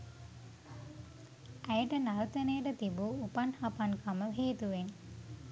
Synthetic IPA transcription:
æjəʈənaɾut̪ənejəʈət̪ibuːpanhapankʰaməɦeːt̪uʋen

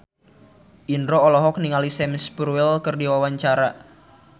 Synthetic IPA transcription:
ʔindɾoːlɔɦɔk̚niŋalisɛmspɾuɛlkɨrdiwawaɲt͡ʃaɾa

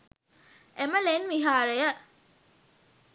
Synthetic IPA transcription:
eməlenʋiɦaːɾejə

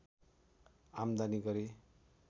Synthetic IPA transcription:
amd̪aniɡʌɾe

